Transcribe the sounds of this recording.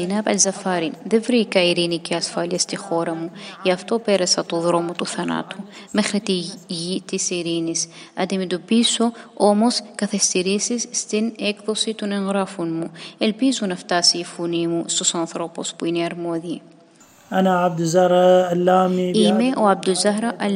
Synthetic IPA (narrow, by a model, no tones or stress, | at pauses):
inɐbɐ̰lzɐfɐɾinðevɾikɐiɾiniciɐsfɐliɐst̪ixo̞ɾɐmueɐft̪o̞pe̞ɾɐsɐt̪oðɾo̞mot̪uθɐnɐ̰t̪u | me̞xɾit̪iʝit̪isiɾinis | ɐ̰d̪imet̪opiso̞o̞mo̞skɐθest̪iɾisisːt̪inekðosit̪uneŋɣɾafunmuelpizunɐft̪asiːfunimust̪osɐnθɾopospuineɐɾmoði | ʔanaʕab̚d̪zahɾaalːaːmiimeʔoab̚d̪uzaɦɾaʔɐl